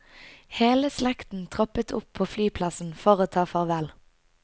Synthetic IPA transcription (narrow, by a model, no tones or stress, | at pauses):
heːləslɛkt̪n̩t̪ʰʁɔpət̪ʰʊpʰːoːflyːpʰlɑsn̩fɔːʁoːt̪ʰɑːfɔʁʋɛl